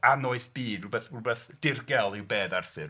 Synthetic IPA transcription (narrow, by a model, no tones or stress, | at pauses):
anʊɨθb̥iːdbɛθmubɛθd̥ɪrɡɛlˠɪwbeːðarfɪr